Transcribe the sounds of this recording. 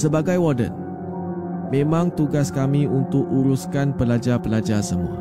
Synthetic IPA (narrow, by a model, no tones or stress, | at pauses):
səbaɡajwɔdə̰n | mẽmãŋt̪uɡaskamĩunt̪ʊkuɾuskanpəlad͡ʒapəlad͡ʒasəmua̰